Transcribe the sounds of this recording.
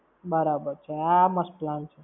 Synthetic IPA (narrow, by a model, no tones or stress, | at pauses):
bʌɾabəɾt͡ʃʰeamʌsplant͡ʃʰu